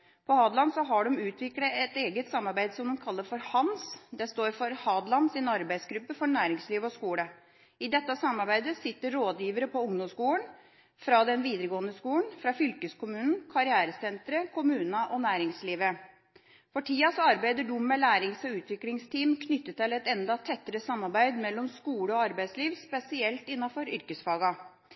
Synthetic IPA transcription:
pʰɔhɑːd̪lɑnsɔɦɑɖɔmʉːt̪ʰʋɪkləɛt̪eːɡət̪sɑmːɑɾbæɪd̪sɔmd̪ɔmkʰɑlːəɾfɔɾhɑnsd̪ɛst̪oːɾfɔɾhɑːd̪lɑnsɪnɑɾbæɪsɡɾʉpːəfɔɾɳæːɾɪŋsliːʋɔskuːlə | ɪd̪ɛt̪ːəsɑmːɑɾbæɪd̪əsɪt̪ːəɾoːd̪jiːʋəɾəpʰɔʊŋd̪ɔmskuːlən | fɾɑd̪ɛnʋiːd̪ɾəɡoːənəskuːlənfɾɑfʏlkəskʊmʉːnn̩kʰɑɾɪæːɾəsɛnt̪ɾəkʰʊmʉːnɑʔɔnæːɾɪŋsliːʋə | fɔʈʰiːɑsɔɑɾbæɪd̪əɖʊmːəlæːɾɪŋsɔʉːt̪ʰʋɪklɪŋst̪ʰiːmkʰnʏt̪ːət̪ɛlɛt̪ɛnd̪ɑt̪ʰɛt̪ːəɾəsɑmːɑɾbæɪd̪mɛlːɔmskuːləɔɑɾbæɪd̪sliːʋspɛsɪɛlt̪ɪnːɑfɔɾʏɾkəsfɑːɡɑ

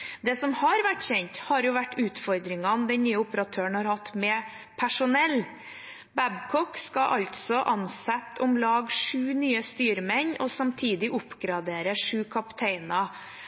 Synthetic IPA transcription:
d̪ɛsɔmhɑɾʋæʈːçɛɲt̪hɑɾjʊʋæʈːʉːt̪fɔɾd̪ɾɪŋɑnd̪ɛnnyːəʊpəɾɑt̪ʰøːəɳhɑɾhɑt̪ːmɛ | pʰæʂʊnɛlː | bæbkʰɔkskɑʔɑlt̪sɔʔɑnsɛt̪ːʊmlɑːɡʂʉːnyːəst̪yːɾmɛɲːɔsɑmt̪ʰiːd̪ɪʔʊpːɡɾɑd̪eːɾəʂʉːkʰɑpt̪ʰeɪnɑ

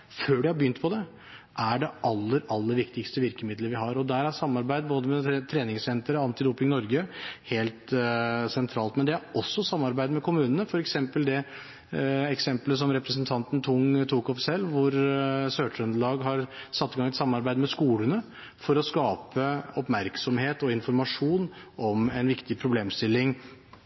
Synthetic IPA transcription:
føːɖɪhɑbəʏnt̪̚pʰɔd̪ɛ | ʔæɖɛʔɑlːəɾɑlːəɾʋɪkt̪ɪkst̪əʋɪɾkəmɪd̪ləɾʋɪɦɑɾɔd̪æɾæsɑmːɑɾbæɪd̪boːd̪əmɛt̪ʰɾeːnɪŋsɛnt̪əɾəɑnt̪ɪd̪uːpɪŋnɔɾɡəheːlt̪sɛnt̪ʰɾɑːlt̪mɛnd̪ɛæɾɔsːɔsɑmːɑɾbæɪd̪mɛkʰʊmʉːnənəfɔɾɛksɛmpəld̪ɛ | ɛksɛmpləs̬ɔmɾɛpɾəsənt̪ʰɑnt̪ən̩t̪ʰʊŋt̪ʰuːkɔfsɛlːʋʊɾsøːʈʉnd̪lɑːɡɦɑɾsɑt̪ːɪɡɑŋːɛt̪sɑmːɑɾbæɪd̪mɛskuːlənə | fɔɾɔskɑːpəɔpmæɾksɔmheːt̪ɔɪnfɔɾmɑʂuːnʔɔmɛnʋɪkt̪ɪpʰɾʊbleːmst̪ɪlːɪŋ

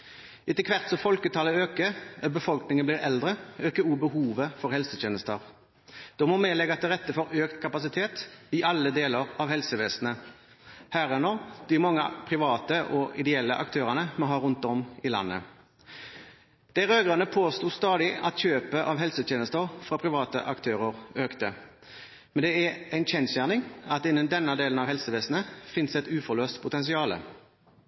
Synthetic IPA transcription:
ʔɪt̪əkʰʋæʁt̪sɔfɔlkət̪ʰɑːləøːkəbəfɔlknɪŋənbliːʁɛld̪ʁəøːkəuːbəhuːʋəfɔʁhɛlsət̪jeːnəst̪əʁ | d̪̥ɔmɔmeːlɛɡɑt̪̚ːɛʁɛt̪ːəfɔʁøːkt̪kʰɑpɑsɪt̪ʰeːt̪ɪʔɑlːəd̪eːləʁɑʋhɛlsəʋeːsnə | hæːʁɛnɔːd̪̥ɪmɔŋːəpʰʁɪʋɑːt̪əʔɔʔɪd̪ɛɛlːə̰ʔɑ̰kt̪ʰøːʁənəmɔɦɑːʁʉnt̪ɔmɪlɑ̰nːə̰ | d̪̥æʁøːɡʁənəpʰoːst̪uːst̪ɑːd̪ɪɑ̰t̪çøːpəʔɑʋɦɛlsət̪ʰjeːnəst̪əʁfʁɑpʰʁɪʋɑːt̪ə̰ʔɑkt̪ʰøːʁəʁøːkt̪ə | mɛnd̪ɛææɪnçɛnt̪sjæːʁnɪŋɑt̪ɪnːənd̪ɛnːəd̪eːlənɑʋhɛlsəʋeːsn̩əfɪnsɛt̪ʉːfɔʁløːst̪pʰʊt̪ɛns̬ɪɑːlə̰

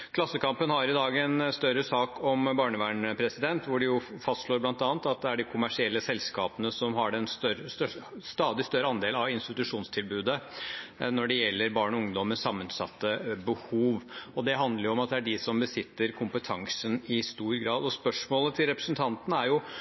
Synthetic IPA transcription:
kʰlɑsːəkʰɑmpənhɑɾɪd̪ɑːɡɛnst̪œɾəsɑːkʰɔmbɑːɳəʋæːɳəpʰɾɛsɪd̪ɛnt̪ʋʊɖɪjʊfɑst̪ʂɭoːɾblɑnt̪ɑːnt̪ɑt̪̚d̪ɛæɖɪkʰʊmæʂɪɛlːəsɛlskɑːpənəsɔmhɑɖɛnst̪œəst̪œʂst̪ɑːd̪ɪst̪œɾəɑnd̪eːlɑʋɪnst̪ɪt̪ʉʂuːnst̪ʰɪlbʉːd̪ə | nɔɖɛjɛlːəɾbɑːɳɔʊŋd̪ɔmːəsɑmːənsɑt̪ːəbəhuːʋɔd̪ɛɦɑnd̪ləɾjʊɔmɑt̪̚d̪ɛæɖɪsɔmbəsɪt̪ːəɾkʰʊmpət̪ʰɑŋsənɪst̪uːɾɡɾɑːd̪ɔspœʂmoːlət̪ʰɪlɾɛpɾəsnt̪ʰɑnt̪ən̩æɾjʊ

